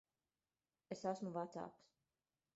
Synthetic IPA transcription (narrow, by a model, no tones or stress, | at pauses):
esasmuvat̪sa̰ːks